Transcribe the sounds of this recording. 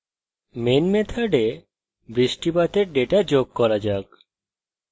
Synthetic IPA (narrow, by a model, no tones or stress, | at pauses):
menmet̪ʰaɖe | bɾisʈibat̪eɾɖeʈad͡ʒoɡ̚kɔɾad͡ʒak̚